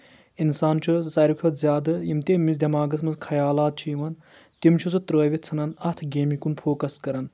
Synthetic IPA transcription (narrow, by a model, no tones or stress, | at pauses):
insaːnt͡ʃʰusɐɾukʰɐt̪zʲjaːd̪ɨjimt̪eːmisd̪ʲɐmaːɡɐsmɐzkʰɐjaːlaːt̪̚t͡ʃʰiʋɐn | t̪imt͡ʃʰusɨt̪ɾəːʋʲit͡sʰɐnɐnɐt̪ʰɡeːmikunfʰoːkɐskɐɾɐn